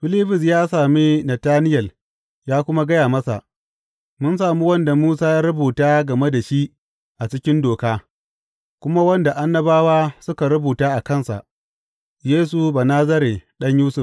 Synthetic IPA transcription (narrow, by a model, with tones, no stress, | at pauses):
ɸɪ˦liː˦ɸʊ˨s̬jaː˦saː˨miː˦nɐ˨taː˦nɪ˦jɐ˨l | jaː˦kʷʊ˦ma˦ɡɐ˦jaː˨mɐ˦sa̰˨ʔ | mʊ˦nsaː˨mu˦wɐ˦nda˨muː˦saː˦jaː˦ɾʊ˦buː˨taː˦ɡɐ˨me˦da˨ʃi˦ʔ | ʔa˨t͡ʃɪ˦kʲɪ˦ndoː˨kaː˦ | kʷʊ˦ma˦wɐ˦nda˨ʔa˦nːɐ˦baː˦waː˦sʊ˦ka˨ɾʊ˦buː˨taː˦ʔa˨kɐ˦˨nsa̰˨ʔ | jeː˦s̬u˨baː˨naː˦zɐ˦ɾe˨ɗɐ˦ɲjuː˦sʊ˨f